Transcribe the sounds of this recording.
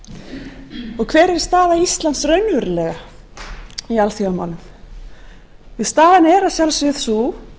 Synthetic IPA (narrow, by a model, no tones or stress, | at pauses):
ɔɣkʰvɛːɾɛɾ̥st̪aːðaist̪lant̪srœɥnvɛɾɪlɛɣa | ialθjaamawnʏm | vɪðst̪aːðanɛːɾasjalsvɪθsu